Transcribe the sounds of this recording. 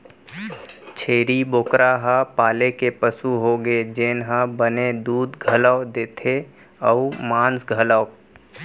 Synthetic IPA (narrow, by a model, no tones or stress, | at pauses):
t͡ʃʰeːɾiboːkɾʔaɦapaːlekepəsuɦoɡed͡ʒeːnɦabəned̪uːd̪ɡʱələd̪eːt̪ʰe | əʊmãːnsɡʱələː